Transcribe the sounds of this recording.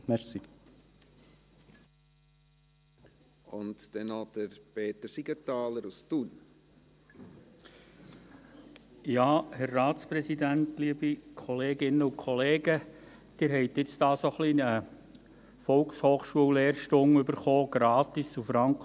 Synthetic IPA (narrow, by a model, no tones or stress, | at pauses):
mɛʁsi | ʊntd̥ɛnɔd̥əɾpeːt̪əɾsiɡətɑːləɾustun | jɑːhɛɾːɑːtt͡spɾɛsidæntliəb̥ikʰɔleːɡɪnəʊkʰɔleːɡə | d̥ɪːɾɦɛɪt̪ɪt͡stɑːsoχliə | fɔlkshoːχʃuəleːɾʃtʊŋʏbəɾχoːɡ̥ɾɑːt̪isufɾɑŋk